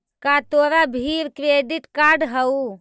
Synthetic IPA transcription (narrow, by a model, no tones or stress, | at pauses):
kat̪oːɾabʱiɾkɾeɖiʈkaɾɖɦəu